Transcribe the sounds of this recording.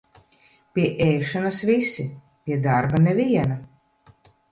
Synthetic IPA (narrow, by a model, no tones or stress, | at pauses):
pʲiɛʔɛjʃanɐsvisi | pʲiɛd̪aɾbanɛvʲiɛna